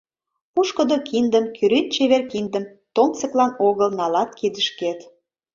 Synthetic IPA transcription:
uʃkə̆d̪okʰind̪əmkyɾyt̪̚t͡ɕeβerkind̪ə̆m | t̪omt͡sə̆klɑnoɣəlnɑlɑt̪̚kid̪əʃket̪

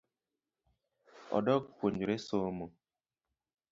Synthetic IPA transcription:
ɔ̰dɔkkwoɲd͡ʒoɾesomo

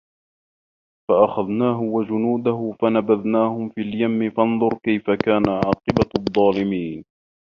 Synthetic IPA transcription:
faʔaxaðnaːɦʊwad͡ʒʊnuːd̪aɦʊfanabaðnaːhʊmfiːljamːɪfɑnðˤʊɾkajfakaːnaʕɑːqɨbaðˤːɑːlɪmiːn

